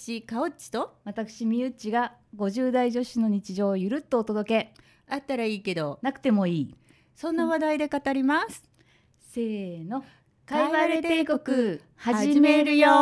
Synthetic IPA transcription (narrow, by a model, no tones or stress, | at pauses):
ɕikaot͡ɕi̥t̪o̞βat̪akɯ̟̥ɕimʲiɯ̟t͡ɕiɡaɡo̞ʑɨːd̪aiʑo̞ɕino̞ɲ̟it͡ɕiʑo̞ːjɯ̟ɾɯ̟t̪ːo̞ːt̪o̞d̪o̞ke̞ | at̪ːaɾaiːke̞d̪o̞nakɯ̟̥t̪e̞mo̞iː | sõ̞nːaβad̪aid̪e̞kat̪aɾʲimasɨ̥ | se̞ːno̞ | kaiβaɾt̪eekokɯ̟ | haʑimeɾɯ̟jo